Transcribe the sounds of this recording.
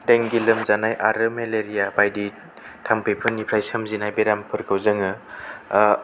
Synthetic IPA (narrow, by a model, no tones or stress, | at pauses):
dejŋɡilɯmzanajʔaɾɯmeleɾijabajdi | tʰampejpʰɯnːipʰɾajsɯmzinajbeɾampʰɯɾkʰɯwzɯŋɯ